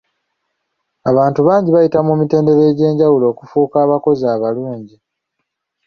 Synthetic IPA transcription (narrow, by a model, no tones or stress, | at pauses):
aβaːntuβaːɲɟiβajitamumite̞ːnde̞ɾeːɟe̞ːɲɟawulo̞ːkufuːkaːβako̞zaːβaluːɲɟi